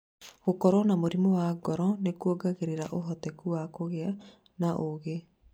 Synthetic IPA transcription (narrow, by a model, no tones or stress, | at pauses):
ɣokɔɾɔnamoɾimowaɡɔɾɔnekuoɡaɣeɾeɾaʔoɦɔtɛkuwakoɣea | naʔoɣe